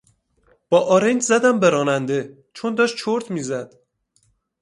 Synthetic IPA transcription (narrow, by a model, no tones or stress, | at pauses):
b̥ɒːʔɒːɾend͡ʒzæd̪æmbeɾɒːnænd̪e̞ | t͡ʃʰond̪ɒːʃtt͡ʃʰoɾt̪ʰmiːzæd̪̥